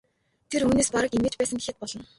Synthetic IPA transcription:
t̪ʰeɾuːneːspaɾə̆kimeːt͡ɕpæːsə̆ŋɡexɘ̆t̪̚pɔɮɞ̆n

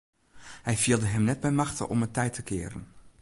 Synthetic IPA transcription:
hɛjviəlˠdəɦɛmnɛd̚bɛjmɑxtə̰ʔɔ̰mətɛjtʰəkɪ̰ːɾə̰n

